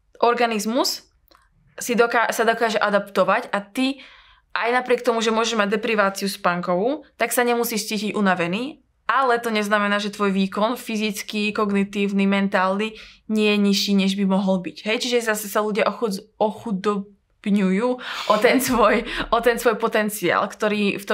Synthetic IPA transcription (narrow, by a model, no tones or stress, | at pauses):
ʔɔɾɡanizmus | sid̪ɔkasad̪ɔkaːʒɛʔad̪apt̪ɔʋacat̪i | ʔajnapɾɪɛk̚t̪ɔmuʒɛmʊɔʒɛʒmaɟ̚d̪ɛpɾiʋaːt͡siuspaŋkɔʋut̪aksaɲɛmusiːʃt͡siːciɟʔunaʋɛniː | ʔalɛt̪ɔɲɛznamɛnaːʒɛt̪ʋɔjʋiːkɔnfizit͡skikɔɡnit̪iːʊnimɛnt̪aːlniɲɪɛjɛɲiʃiːɲɛʒbimɔɦɔlbiɟɦɛjt͡ʃiʒɛzasɛsaluɟɪaʔɔxuɔxud̪ɔ | b̥ɲujuːʔɔt̪ɛnsʋɔjʔɔt̪ɛnsʋɔjpɔt̪ɛnt͡sia̰ːlkt̪ɔɾiːft̪ɔ